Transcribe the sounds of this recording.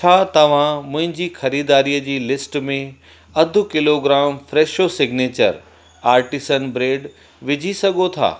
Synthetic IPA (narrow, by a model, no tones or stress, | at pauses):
t͡ɕʰaːt̪ɐʋ̤ãmʊ̃ɦɪ̃ɲd͡ʑiːxɐɾiːd̪aːɾijəd͡ʑiːlɪsʈmẽ | ɐd̪ʱʊ̆kɪloɡɾaːmfɾeːʃosɪɡneːt͡ɕə̰ɾ | aːɾʈɪsənbɾeːɖ | ʋɪd͡ʑʱisɐɡʱot̪ʰa̰ː